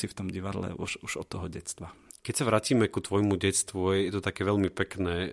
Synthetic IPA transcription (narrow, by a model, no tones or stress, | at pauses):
sift̪ɔmɟiʋad̪lɛ̰ʔṵʃuʒ̥ɔt̪ːɔɦɔɟɛst̪ʋakɛcsaʋɾaːciːmɛkut̪ʋɔjmuɟɛst̪ʋujɛt̪ɔt̪akɛːʋɛʎmipɛknɛː